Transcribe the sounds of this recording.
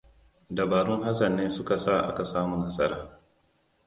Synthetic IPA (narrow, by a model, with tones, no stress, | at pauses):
dɐ˨baː˨ɾʊ˦ŋɦa˦sɐ˨nːeː˦sʊ˦ka˨sa˦˨ʔa̰˦ka˨saː˦mu˨nɐ˦sʼɐ˦ɾaː˨